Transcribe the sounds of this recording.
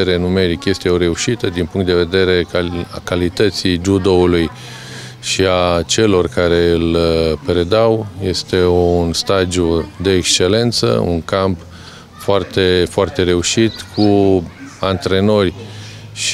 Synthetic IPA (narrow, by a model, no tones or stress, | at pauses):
eɾe̞nume̞ɾikje̞st̪e̞o̞ɾe̞uʃit̪əd̪inpuŋkt̪d̪e̞ve̞d̪e̞ɾe̞akalit̪ət̪sid͡ʒud̪o̞uluj | ʃiat͡ʃe̞lo̞rkaɾe̞ɨlpɾe̞d̪awje̞st̪e̞unst̪ad̪jud̪e̞ːkst͡ʃe̞le̞nt̪sə̰ṵŋkamp | foart̪e̞foart̪e̞ɾe̞uʃit̪kʰu | ant̪ɾe̞no̞rʲ | ʃ